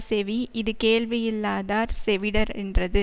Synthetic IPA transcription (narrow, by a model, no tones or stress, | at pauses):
sɛʋiʔɪðɯkeːɭʋɪjɪlːaːðaːɾsɛʋɪɽɐɾɛ̰ndrɐðɯ